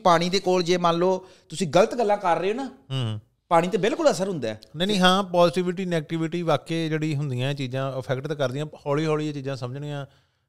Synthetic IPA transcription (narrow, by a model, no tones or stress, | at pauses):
paːɽ̃iːd̪eːkoːld͡ʒeːmãːnloː | t̪ʊsĩːɡələt̪ɡəlːãːkəɾːeːoːnaːɦː | paːɽiːt̪eːbɪlkʊləsəɾɦʊnd̪a̰ːnɛ̃ːnĩːɦãːpaːzɪʈiʋɪʈ̬iːnɛːɡ̚ʈɪʋɪʈiːʋaːkeːd͡ʒeːɽiːɦʊnd̪ijãːt͡ʃiːzãːəpʰɛkʈt̪kəɾd̪ɪjãːhɔːliːɦoːliːt͡ʃiːd͡ʒãːsəməd͡ʒɳijãː